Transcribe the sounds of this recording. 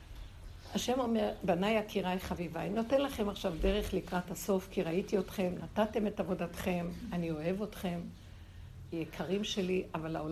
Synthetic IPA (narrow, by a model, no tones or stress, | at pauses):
haʃe̞mo̞me̞ʁbanajakiʁajχavivanino̞te̞nlaχe̞maχʃavde̞ʁe̞χlikʁathaso̞fkiʁaitio̞tχe̞mnatate̞me̞tavo̞datχe̞manio̞e̞vo̞tχe̞m | jekʰaʁimʃe̞liʔavalao